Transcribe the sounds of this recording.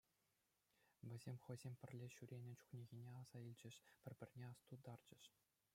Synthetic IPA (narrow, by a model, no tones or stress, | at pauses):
ʋʲɘ̆zʲemʲχɤ̆jzʲemʲpʲɘ̆rʲlʲeɕyɾʲenʲɘ̆t͡ɕu̥χnʲeɣʲinʲeɑz̥ɑilʲd͡ʑɘ̆ʂpʲɘ̆rʲbʲɘ̆rʲnʲeɑst̪ud̪ɑrd͡ʑɘ̆ʂ